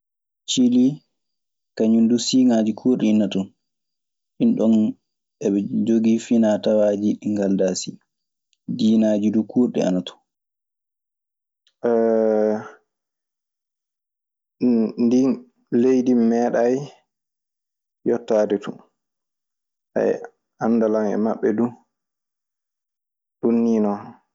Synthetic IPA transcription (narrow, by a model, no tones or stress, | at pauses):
t͡ʃili | kaɲundusiŋad͡ʒikʰuːɾɗɛinːatɔn | ɗinɗɔn | ɛɓɛd͡ʒoɡifinatawaːd͡ʒiɗiŋɡaldasi | d͡ʒiːnaːd͡ʒidukuːɾɗɛ̰a̰natɔ̥ | ndi | lejdimːɛːɗaj | jɔtːaːdɛtu | a̰ɛ̰ | anːdalanɛ̰maɓːɛdu | ɗunːinɔ